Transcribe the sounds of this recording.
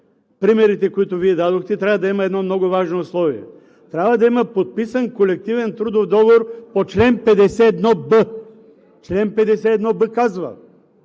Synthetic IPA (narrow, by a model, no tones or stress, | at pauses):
pɾimɛɾit̪ɛkoit̪ʊviɛd̪ad̪oxt̪ɛt̪ɾʲavɐd̪ɐimɐɛd̪nɔmnɔɡʊvaʒnoʊslˠɔvḭɛ̰ | t̪ɾʲabvɐd̪ɐiməpot̪̚pisənkolɛk̚t̪ivɛnt̪ɾud̪ofd̪ɔvoɾpot͡ʃlɛnpɛd̪ɛsɛːd̪nɔbə | t͡ʃlɛnpɛd̪ɛsɛːd̪nɔbəkazvɐ̰